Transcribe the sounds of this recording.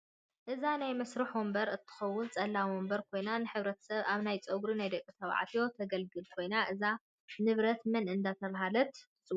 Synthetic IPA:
ʔɨzanajmɐsɾuħombɐɾɨt̪ʰːɨ̥xɐwːʊnt͡sʼɐlːawombɐɾkʰo̞jnanɨħɨβɾɐt̪ʰɐ̥sɐβaβnajt͡sʼɐɡɾinajd̪ɐkʼːisʰɐβ̰ʕa̰t̪ʰijo̞t̪ʰɐɡɐlɡɨlkʰo̞jnaʔɨza | nɨβɾɐt̪mɨnɨnd̪at̪ʰɐβaɦalɐt̪ | sʼ

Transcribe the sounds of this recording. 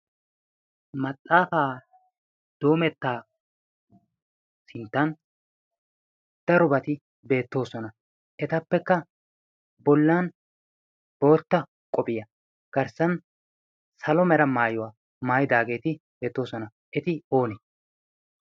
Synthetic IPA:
mɐt͡sʼːaːfaː | d̪̥o̞ːmɛt̪ːaː | sɪnt̪ːɐn | d̪̥ɐɾɔbɐt̪ɪ | be̞ːt̪ːo̞ːsɔnɐ | ʔɛt̪ɐpːɛkːɐ | bɔlːaːn | b̥o̞ːt̪ːɐ | kʼɔbɪjɐ | ɡ̥ɐɾsɐn | sɐlɔmɛɾɐmaːjɔwa | maːjɪd̪aːɡe̞ːt̪ɪb̥e̞ːt̪ːo̞ːsɔnɐ | ʔɛt̪ɪo̞ːnɛ

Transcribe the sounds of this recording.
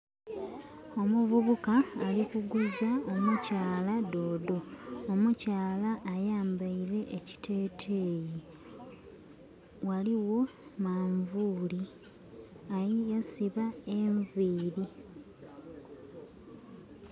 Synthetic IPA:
o̞muvuβukaːlikuɡuzaomucaːlado̞ːdo̞ːmucaːlaʔːjaːmbaiɾe̞ʔeci̥tʰe̞ːtʰe̞ːji | waliwo̞maːɱvuːli | ajijasiβaeɱviːɾi

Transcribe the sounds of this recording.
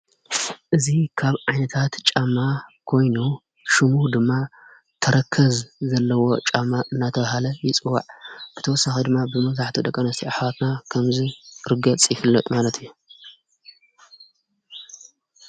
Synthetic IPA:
ʔɨzikʰaβʕajnɐt̪ʰat̪t͡ʃʼamːakʰo̞jnu | ʃɨmuɾd̪ɨmːa | t̪ʰɐɾʔɐkʰːɐzzɐlːɐwo̞t͡ʃʼamːaʔɨnːat̪ʰɐβaɦalɐjɪt͡sʼɨwːa̰ʕb̥ɨt̪ʰɐwɔsːaxid̪ɨmːabɨmɐzaħt̪ʰid̪ɐkʼɐnɐst̪ʰiʔaħwat̪nakʰɐmziɾɨɡɐt͡sʼjɪfɨlːɐt̪ʼmalɐt̪ʰɨjːu

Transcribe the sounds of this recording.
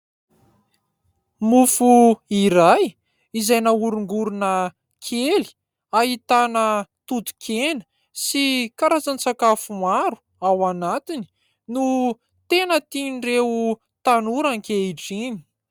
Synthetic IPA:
mufuiɾaj | izajnauɾuŋɡuɾunə | kʰeli̥ | aɦit̪anət̪ut̪u̥kʰenə̥ | sikaɾat͡sant͡sakafumaɾu̥ | awanat̪ini̥ | nu | t̪enət̪inreu | t̪anuɾaŋkeiʈ͡ʂini̥

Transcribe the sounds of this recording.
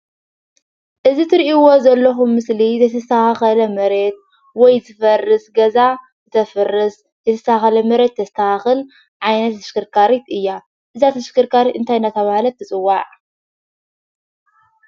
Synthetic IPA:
ʔɨzit̪ʰɨɾiʔiwo̞zɐlːɐxumːɨslizʰɐt̪ʰɐsaaxɐlɐmɐɾet̪̚ | wɔjzɨfɐrːɨsɡɐza | zɨt̪ʰɐfɐrːɨs | zɐt̪ʰɐsaaxɐlɐmɐɾed̪̚t̪ʰːɐst̪ʰahxɨl | ʕajnɐt̪ːɐ̥ʃkɨɾkʰaɾit̪ɨjːa | ʔɨzat̪ʰɐʃkɨɾkʰaɾiɨnt̪ʰajnat̪ʰɐβahlɐt̪ʰːɨt͡sʼɨwːaʕ

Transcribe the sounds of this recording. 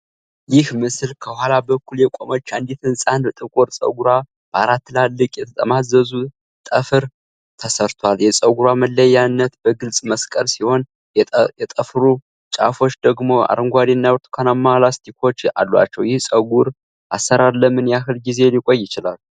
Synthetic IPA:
jɪhmɨsɨlkʰəhʷalabəkːuljɛkʼomo̞t͡ʃːand̪it̪ɨnsʼand̪t̪ʼɨkʼoɾsʼə̰ɡuɾa | b̥aɾat̪ʰːɨlalːɨkʼjɛt̪ʰət̪ʼəmazəzu | t̪ʼəfɨɾ | t̪ʰəsəɾt̪ʰwaljɛsʼəɡuɾaməlːəjːanːət̪bəɡɨlsʼməskʼəlsiho̞n | ɛt̪ʼəfɾu | t͡ʃʼa̰fo̞t͡ʃːd̪əɡmo̞a̰ɾɨŋɡʷad̪enːajwɾt̪ʼkʰanamːalast̪ʰikʰo̞t͡ʃːa̰lːwa̰t͡ʃːɛwjɪhsʼəɡuɾ | ʔasːəɾaɾləmɨnjahɨlɡize̞likʼo̞jːɪt͡ʃɪlal

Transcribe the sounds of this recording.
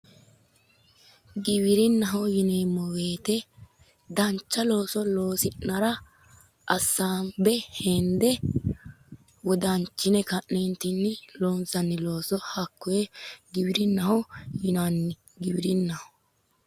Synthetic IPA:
ɡɪwɪɾɪnːɐɦɔjɪneːmːɔwe̞ːt̪ɛ | d̪ɐnt͡ʃːɐlo̞ːsɔlo̞ːsɪʔnɐɾɐ | ʔɐsːaːmbɛhɛnd̪ɛ | wɔd̪ɐnt͡ʃːɪnɛkɐʔnent̪ɪnːɪloːnsɐnːɪlo̞ːsɔhɐkːɔjɛɡɪbɪɾɪnːɐhɔjɪnɐnːɪ | ɡɪbɪɾɪnːɐhɔ

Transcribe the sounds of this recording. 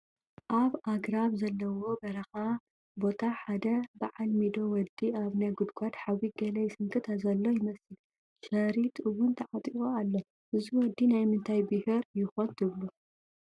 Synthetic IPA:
ʔaβʔaɡɾaβzɐlːɐwo̞bɐɾɐxa | bo̞t̪ʰaħad̪ɐbaʕalmid̪o̞wɔd̪iaβnajɡud̪kʷʰʼad̪ħawiɡɐlɐjɪsɨŋkʰɨt̪ʰazɐlːo̞jɪmɐsɨl | ʃɐɾit̪ʰʔɨwunt̪ʰɐʕat̪ʼiɣʼoalːo | ʔɨziwɔd̪ːinajmɨnt̪ʰajbɨhɨɾjɪxont̪ʰɨβlu

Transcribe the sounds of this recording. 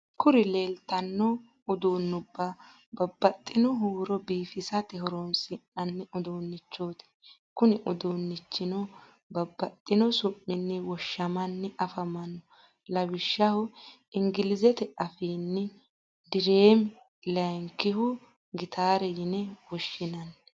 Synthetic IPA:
kʊɾɪleːlt̪ɐnːɔ | ʊd̪uːnːʊbːa | bɐbːɐt̪ʼːɪnɔɦuːɾɔbiːfɪsɐt̪ɛɦɔɾonsʼɪnːɐnːɛʔʊd̪oːnːɪt͡ʃːoːt̪ɛ̥ | kʊnɪʔʊd̪oːnːɪt͡ʃːɪnɔ | bɐbːɐt̪ʼːɪnɔsʊmːɪnːɛwɔʃːɐmɐnːɛʔɐfɐmɐnɔ | lɐbɪʃːɐhʊ | ɪŋɡɪlɪzɛt̪ɛɐfiːnːɛ | d̪ɪɾeːm | lɐŋkɪhʊ | ɡɪt̪ʰaːɾɛjɪnɛwɔʃːɪnɐnː

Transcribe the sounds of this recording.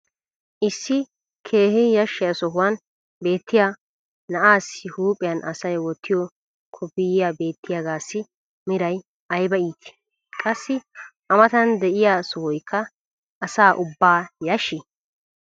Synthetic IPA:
ʔɪsːɪ | kʰe̞ːhɪjɐʃːɪjɐsɔɦʊwɐn | be̞ːt̪ːɪja | nɐʔaːsɪhuːpʼːɪjɐnʔɐsɐjwɔt̪ʰːɪjɔ | kʰɔpːɪjɪjaːbe̞ːt̪ʰːɪjaɡaːsːɪ | mɪɾɐj | ɐjbɐiːt̪ʰɪ̥ | kʼɐsːɪʔɐmɐt̪ɐnd̪ɛʔɪjaːsɔhʊjkʰːɐ | ʔɐsaːʔʊbːaːjɐʃɪ

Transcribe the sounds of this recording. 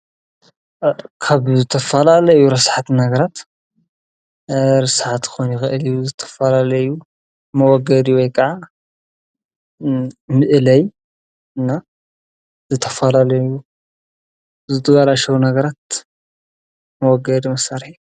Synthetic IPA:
kʰaβzɨt̪ʰɐfɐlalɐjuɾɐsħat̪nɐɡɐɾat̪ | ɾɨsʕat̪xonjɪxɨʔɨlijuzɨt̪ʰɐ̥fɐlalɐju | mɐwɔɡɐd̪iwɔjkʰɐʕa | mɨʔlɐj | ɨnːa | z̥ɨt̪ʰɐfɐlalɐju | zɨt̪ʰɐɡalaʃɐwnɐɡɐɾat̪̚ | mɐwɔɡɐd̪imɐsaɾħi

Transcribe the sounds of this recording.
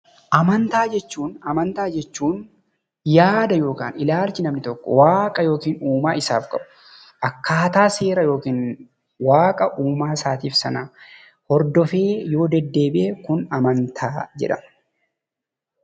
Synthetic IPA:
ʔɐmɐnt̪aːd͡ʒɛt͡ʃːuːnɐmɐnt̪aːd͡ʒɛt͡ʃːuːn | jaːd̪ɐjo̞ːka̰ːnɪlaːlt͡ʃɪnɐmnɪt̪ɔkːɔ̰waːkʼɐjo̞ːkiːnuːmaːɪsa̰ːfkʼɐbʊ̥ | ʔɐkːaːt̪aːse̞ːɾɐjo̞ːkiːn | waːkʼɐʔuːmaːsaːt̪iːfsɐnɐ | hɔɾd̪ɔfe̞ːjo̞ːd̪ɛd̪ːe̞ːbɪʔɛkʊnɐmɐnt̪ʰaːd͡ʒɛ̰ᶑɐm

